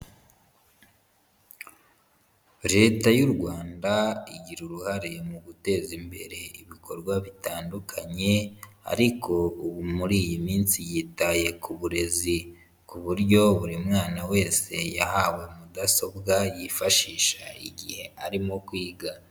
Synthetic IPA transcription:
ɾe̞ːtajuɾɡwaːndaiɟiɾuɾuhaɾe̞muɡute̞ːzimbe̞̰ɾe̞iβiko̞ɾɡwaβitaːndukʰaɲe̞a̰ɾikʰo̞uβumuɾiːjimiːnsijitaje̞kuβuɾe̞zi | kuβuɾɟo̞βuɾimŋaːnawe̞ːse̞ja̰hawe̞mudaso̞bɡajifaʃiːʃaḭɟihe̞aɾimo̞kwiːɡa

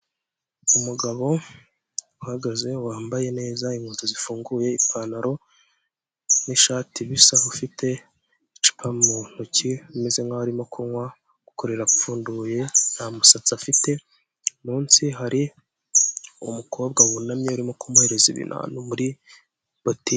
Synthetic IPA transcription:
umuɡaβo̞ | uhaɡaze̞waːmbaje̞ne̞ːzaiŋhuːnzozifuːŋɡuje̞ipʰanaɾo̞ | niʃaːtʰiβisahufitʰe̞ | it͡ʃi̥pʰamun̥ociume̞ze̞ŋaaɾimo̞kʰuŋwa | ɡ̥uko̞ɾe̞ɾakufuːnduje̞n̥hamusat͡safite̞ | muːnsiɦaɾi | umuko̞ːbɡawunamɲeuɾimo̞kʰumuhe̞ɾe̞zḭβḭnʔa̰ːnumuɾi | boti

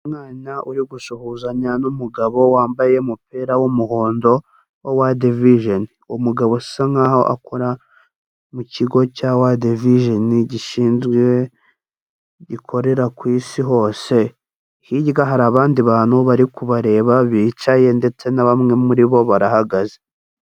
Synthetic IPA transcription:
umŋaːnaʔuɾiɡuʃuhuzaɲanumuɡaβo̞waːmbaje̞mupiɾawumuho̞ːndo̞ | wowadeviʒoniumuɡaβosi̥saŋahoʔa̰kʰoɾa | muciɡo̞cawadeviʒeniɟiʃiːnzɡwe | ɟikʰo̞ɾe̞ɾakwiːsiɦo̞ːse̞ | hiɟɡaɦaɾaːβaːndiβaːnuβaɾikuβaɾe̞ːβaβiːt͡ʃaje̞nde̞t͡se̞naβamŋe̞muɾiβo̞βaɾahaɡaze

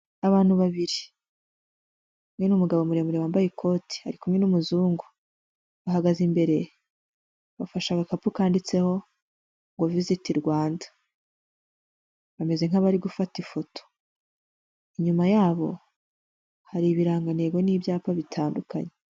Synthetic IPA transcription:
aβaːn̥huβaβiɾi | kumŋe̞numuɡaβo̞muɾemuɾewaːmbajekʰo̞ːtʰi̥ha̰ɾikumŋe̞numuzuːŋɡu | βaɦaɡazimbe̞ɾe̞ | βafaʃaɡakapukaːndit͡se̞ho̞ | ŋɡovizitiɾɡwaːnda | βame̞ze̞ŋaβaɾiɡufatifo̞tʰo̥ | iɲumajaːβo̞ | haɾiβiɾaːŋɡaneɡoniːbjaːpaβitʰaːnduka̰ɲe

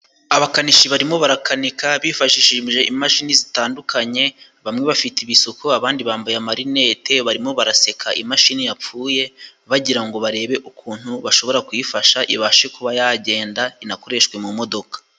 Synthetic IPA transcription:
aβakaniʃiβaɾimo̞βaɾakʰanikaβifaʃiʃiʒʒe̞ʔimaʃinizitaːndukʰaɲe̞ | βamŋe̞βafitiβisokoaβaːndiβaːmbajamaɾine̞ːte̞βaɾimo̞βaɾase̞kʰaʔḭmaʃinijap͡fuːje̞βaɟiɾaŋɡo̞βaɾe̞ːβeʔukʰuːn̥huβaʃo̞βo̞ɾakujifaʃaʔḭβaʃekuβajaɟe̞ːndainako̞ɾe̞ʃkwe̞mumo̞do̞kḁ

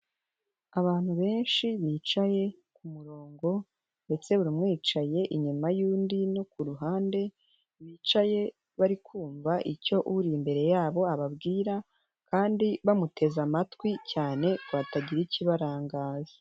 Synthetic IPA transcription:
aβaːn̥huβe̞ːnʃiβiːt͡ʃaje̞kumuɾo̞ːŋɡo̞ | nde̞t͡se̞uɾimŋiːt͡ʃaje̞ʔiɲumajuːndino̞kuɾuɦaːnde̞ | βiːt͡ʃaje̞ | βaɾikʰuːɱvaʔico̞ʔuɾimbe̞ɾe̞jaːβo̞aβabɡiːɾa | kaːndiβamutʰe̞zamatwicaːne̞kwaːtaɟiɾiciβaɾaːŋɡaːza

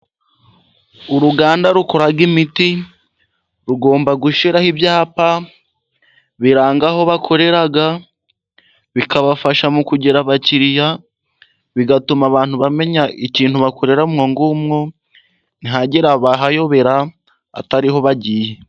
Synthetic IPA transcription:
uɾuɡaːndaɾuko̞ɾaɾɡimiti | ɾuɡo̞ːmbaɡuʃiɾahibjaːpa | βiɾaːŋɡaɦo̞βakʰo̞ɾe̞ɾaɡa | βikaβafaʃamukuɟeɾaβaciɾija | βiɡatumaβaːn̥huβame̞ɲaiciːnhuβako̞ɾe̞ɾamŋoŋɡumŋo̞ | niɦaɟeɾaβaɦajo̞βe̞ɾa | a̰taɾiɦo̞βaɟiːje

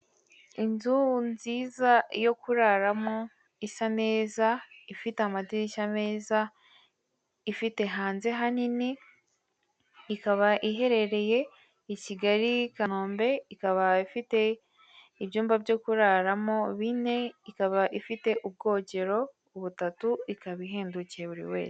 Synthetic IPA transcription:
inzunziːzajo̞kuɾaɾamo̞ | isane̞ːzaifiteamadiɾiʃame̞ːza | ifite̞ɦaːnze̞ɦanini | kaβaʔiɦe̞ɾe̞ɾe̞je̞ | iciɡaɾikanoːmbe̞ikaβaifite̞ | ibjuːmbabjo̞kuɾaɾamo̞βine̞ikaβaʔifite̞ʔub̚ɡo̞ːɟe̞ɾo̞ː | βutatuikaβiɦeːnducieβuɾḭwe̞̰ːze

